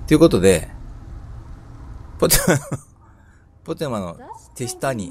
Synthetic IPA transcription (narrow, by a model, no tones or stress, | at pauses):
t̪ejɯ̟ko̞t̪o̞d̪e̞ | pot̪emano | po̞t̪emano̞̰t̪e̞ɕi̥t̪aɲ̟i